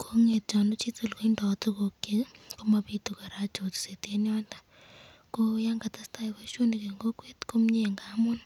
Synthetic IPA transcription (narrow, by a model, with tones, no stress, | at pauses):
kʰo˦ŋe˨t̚t͡ʃɔ˨no˦t͡ʃi˦to˦lko˦indɔ˨tu˦ko˨ke˦ko˦ma˨pi˦tu˨ka˨ɾa˦t͡ʃo˨ti̥˨se˨te˦njɔ˦nda˦ | ko˦ja˦ŋɡa˨ta˦sta˦ika˦ʃo˦ni˨ke˨ŋɡo˦kwe˦tko˦mɲe˦˨ŋɡa˦mo˦n